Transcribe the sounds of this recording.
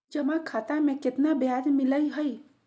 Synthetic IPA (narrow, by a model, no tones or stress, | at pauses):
d͡ʒəmãkʰat̪amẽkɪt̪nabjad̪mɪləiɦəi